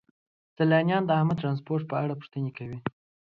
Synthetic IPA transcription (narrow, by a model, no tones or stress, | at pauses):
salɑnjɑnd̪əahmad̪̚t̪ɾanspoɾʈ̚pəaɽapu̥ʂt̪ənekawi